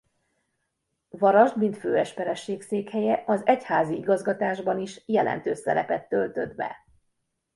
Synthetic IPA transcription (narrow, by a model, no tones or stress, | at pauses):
vɒɾɒʒd̪mint̪føːɛʃpɛɾɛʃːeːkseːkhɛjɛʔɒzɛchaːziiɡɒzɡɒt̪aːʒbɒniʃjɛlɛ̰nt̪øːsɛ̰ɾɛ̰pɛt̪ːølt̪ø̞d̪bɛ̰